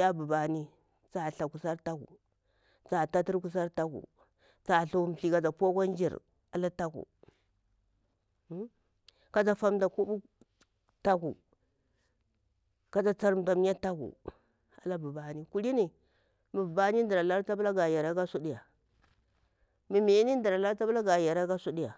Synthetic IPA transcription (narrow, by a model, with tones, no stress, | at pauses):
a˦bu˨ba˨ni˦ | t͡sa˨ɬa˨ku˨sa˦ɾta˦ɡṵ˨ | t͡sa˨ta˦ti˦ɾku˦s̬a˦ɾta˦ɡṵ˨ | t͡sa˨ɬu˨˦m˨ɬi˨ka˨d͡za˨po˦ka˦n˦d͡ʒḭ˨ɾ | a˨la˦ta˦ɡṵ˨˦ | ka˦d͡za˨fa˦mda˨ku˦bu˦ | ta˦ɡu˨ | ka˨d͡za˨t͡sa˦ɾm˨da˨m˦a˦ta˦ɡṵ˨ | a̰˨la˦bu˨ba˦ni˨ku˦li˦ni˨ | mi˨bu˨ba˦ni˦n˦di˨ɾa˨la˦ɾt͡sa˦bla˦ɡa˨ja˨ɾa˦ɡa˦su˦di˦ja˨ | mi˨mi˨i˦ni˦n˦di˨ɾa˨la˦ɾt͡sa˦bla˦ɡa˨ja˨ɾa˦ɡa˦su˦di˦ja˨